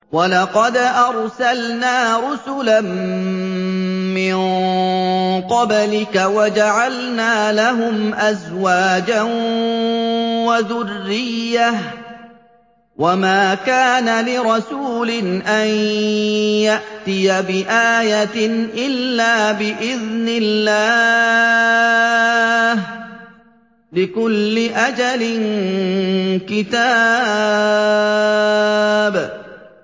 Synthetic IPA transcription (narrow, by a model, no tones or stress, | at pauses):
walɑqɑd̪ʔɑɾˤsalnaːɾʊsʊlam | mɪŋ | qɑblɪkawad͡ʒaʕalnaːlaɦʊmʔazwaːd͡ʒan | waðʊrːɪjːah | wamaːkaːnalɪɾˤɑsuːlɪnʔaj | jaʔt̪ɪjabɪʔaːjat̪nʔɪlːaːbɪʔɪðnɪlːaː | h | lɪkʊlːɪʔad͡ʒalɪn | kɪt̪aː | b